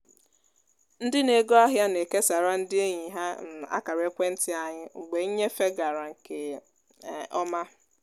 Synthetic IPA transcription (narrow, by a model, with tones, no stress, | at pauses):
n̩˦dɪ˦ne˨ɡo˦a˦ɦja˦ne˨ke˦sa˨ɾa˦n̩˦dɪ˦e˦ɲi˨ɦa˦n̩˨a̰˦ka˨ɾe˦kʷe˦n̩˦tɪ˦a˨ɲɪ˦ŋ͡m̩˨ɡ͡be˨˦ɲe˦fe˦ɡa˨ɾa˨ŋ̩˨ke˨ | ɔ˦ma˦